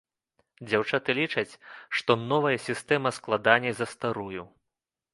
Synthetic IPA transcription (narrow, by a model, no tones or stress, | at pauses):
d͡zʲawt͡ʂat̪ɨlʲit͡ʂɐt͡sʲʂt̪ɔnɔvɐjɐsʲist̪ɛmɐsklˠad̪anʲɛzɐst̪aɾuju